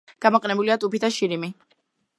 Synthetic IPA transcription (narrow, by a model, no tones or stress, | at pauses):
ɡ̥amɔqʼɛnɛbuliat̪ʼupit̪ʰaʃiɾimi